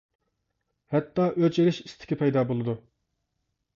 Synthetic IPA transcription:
hɛt̪ːɑʔøt͡ʃeɾɪʃist̪ʰɪ̥kʲipʰɛjd̪ɑbolˠɨd̪u

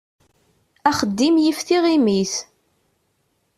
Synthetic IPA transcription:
æχəd̪ːimjifθiʁimiθ

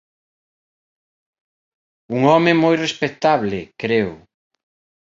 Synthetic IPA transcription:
uŋɔmemɔjrespet̪aβlɪkɾeʊ

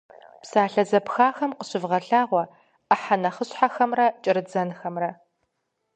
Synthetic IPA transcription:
psaːɬɐzɐpxaːxɐmqəɕɪvʁɐɬaːʁʷɔ | əħanɐχəɕħaxɐmrɐt͡ʃʼɪɾɨd͡zɐnxɐmrɐ

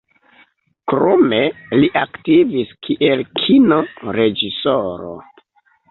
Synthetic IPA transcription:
kɾomeliʔaktiviskʰiʔe̞lkʰinoɾe̞d͡ʒisoɾo̰

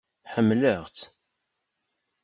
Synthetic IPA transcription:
ħəmːləʁt͡sː

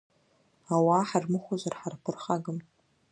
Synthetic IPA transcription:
awaħarmɨχʷazʷarħarpʰɨrχaɡɨm

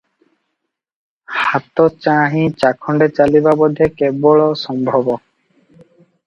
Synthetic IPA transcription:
hat̪ot͡ɕaɦĩt͡ɕakʰːɔɳɖet͡ɕalibabɔd̪ʱːekebɔɭɔsɔmbʱɔbɔ

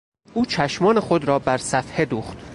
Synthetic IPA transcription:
ʔuːt͡ʃʰæʃmɒːne̞xo̞d̪ɾɒːbæɾsæfhe̞d̪uːxt̪

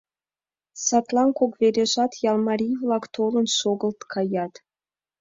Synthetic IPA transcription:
sɑt̪lˠɑnkokveɾʲeʒɑt̪jɑlˠmɑɾʲijvlˠɑkt̪olə̆nʃoɣə̆lt̪kʰɑjɑt̪

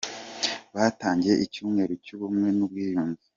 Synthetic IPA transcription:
βataːɲɟe̞ʔicuːmŋe̞ɾocuβumŋe̞nubɡiːjuːnzi

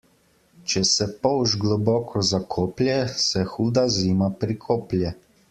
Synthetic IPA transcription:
t͡ʃɛsɛpɔwʒɡlɔbɔːkʰɔzakʰoːplʲjɛsɛxuːd̪aziːmapɾikʰoːplʲjɛ

